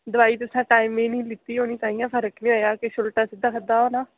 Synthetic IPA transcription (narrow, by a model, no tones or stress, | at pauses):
d̪əʋaːiːt̪ʊsãːʈaːimẽːnĩːlɪt̪ːiːoːnĩːt̪ãːĩjãːpʰəɾəknĩːojaːkeʃʊlʈaːsɪd̪aːkʰəd̪aːɦoːnaː